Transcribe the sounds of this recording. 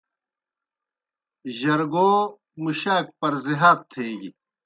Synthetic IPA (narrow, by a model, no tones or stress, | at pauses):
ʑɐɾɡoː | muɕaːk̚pɐɾziɦaːt̪̚ʰːeːɡi